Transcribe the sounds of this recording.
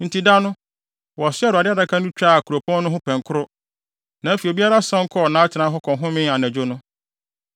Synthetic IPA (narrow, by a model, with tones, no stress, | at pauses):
n̩˨tʰi˨da˦nʊ̃˦ | wɔ˨sɪ˦ɛ˦ɾa˨dɪ˦da˨˦kʰa˦nũ˦t͡ɕᶣɾa˦˨a˨kʰu˨o˨pʰɔ̃˦nː˦ʊ̃˦ɦʊ̃˦pʰɛ̃˨ŋ˨kʰʊ˦ɾʊ˦ | nã˨˦fi˨e˨bi˦a˦ɾa˦sã˦ŋ̩˦kʰɔ˦˨nã˨˦tʰɪ˨nã˦ɦɔ˦kʰɔ̃˨ɦʊ̃˦mɪ̃˦a˨nɛ̃˨d͡ʑᶣo˦nʊ̃˦